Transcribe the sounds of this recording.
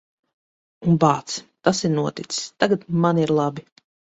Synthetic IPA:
unbaːt̪st̪asiɾnuɔt̪it̪sst̪aɡat̪maniɾlˠabi

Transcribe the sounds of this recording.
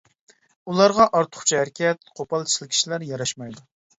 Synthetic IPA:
ulˠɑɾʁɑʔɑɾt̪ʰʊ̥χt͡ʃʰihæɾkʲʰɛt̪̚qʰopɑlˠt͡ʃʰi̥slˠɪkʲʰi̥ʃilæɾjɑɾɑʃmɑjd̪u

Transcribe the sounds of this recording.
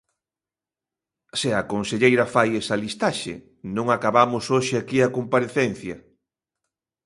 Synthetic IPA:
seakonseʎejɾɐfajesɐlist̪aʃɪ̰ | nõŋakaβamʊsoʃɪakiakompaɾeθen̟θjɐ

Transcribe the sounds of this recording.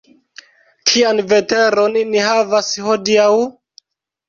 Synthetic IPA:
kʰianve̞te̞ɾonnihavasho̞diaw

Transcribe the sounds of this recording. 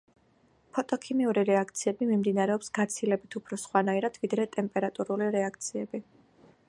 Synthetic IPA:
pʰɔt̪ʼɔkʰimiuɾiɾɛak̚ʰt̪sʰiɛbimimd̪inaɾɛɔpsɡ̥at̪sʰilɛbit̪ʰupʰɾɔsχwanaiɾad̪̥vid̪ɾɛt̪ʼɛmpʼɛɾat̪ʼuɾuliɾɛak̚ʰt̪sʰiɛbi

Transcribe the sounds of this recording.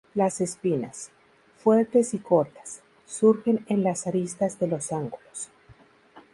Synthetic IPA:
lase̞spina̰s | fwe̞ɾt̪e̞siko̞ɾt̪ḁsː | uɾxe̞nenlasaɾist̪azðe̞lo̞saŋɡulos

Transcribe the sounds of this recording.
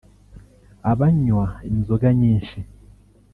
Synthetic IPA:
aβaɲwaemizoɡaɲiːnʃi

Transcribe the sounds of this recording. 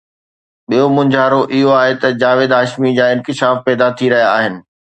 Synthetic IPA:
ɓijomʊ̃ɲd͡ʑʱaːɾoʔɪɦoaːɦet̪ɐd͡ʑaːʋeːd̪aːʃmid͡ʑaːɪ̃nkɪʃaːfpɛːd̪at̪ʰiɾɐɦijaːɦɪnɪ̆

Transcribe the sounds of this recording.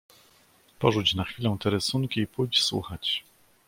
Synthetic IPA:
pɔʐut͡ɕnaxfʲilɛw̃t̪ɛɾɘsunŋkʲiːpujt͡ɕswṵxat͡ɕ

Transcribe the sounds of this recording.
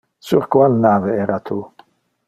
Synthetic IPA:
suʁkʰvalnaːvɛɛɾat̪ʰu

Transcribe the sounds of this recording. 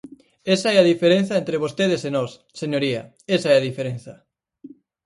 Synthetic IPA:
esaɛaðifeɾen̟θɐent̪ɾeβost̪eð̞esenɔs | seɲoɾiɐ̰ | esaɛaðifeɾẽnθɐ

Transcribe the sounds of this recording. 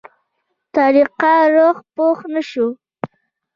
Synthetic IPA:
t̪aɾiqaɾoχpoχnaʃu

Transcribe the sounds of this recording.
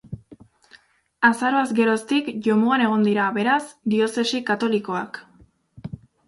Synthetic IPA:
asaɾo̞azɡe̞ɾo̞st̪ikʝo̞moane̞ɣ̞o̞nd̪iɾaβe̞ɾasd̪io̞se̞sikat̪o̞liko̞ak

